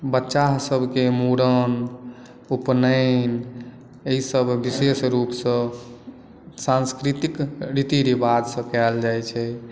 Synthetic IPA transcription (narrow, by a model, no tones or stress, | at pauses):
bətːʃaɦsəbʱkemuɾən | upnən | eisəbʱbisesɾupsə̃ | sãnskɾit̪ikɾit̪iɾibad̪sə̃kɛld͡ʒajt͡ʃʰɛ